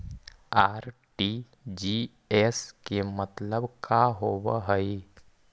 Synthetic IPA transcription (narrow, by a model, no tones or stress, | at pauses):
aːɾ | ʈi | d͡ʒi | ɛskemət̪ləbkaɦoːbɦəi